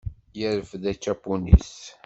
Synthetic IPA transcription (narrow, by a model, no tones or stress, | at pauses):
jəɾəfðæt͡ʃːæpːunḭs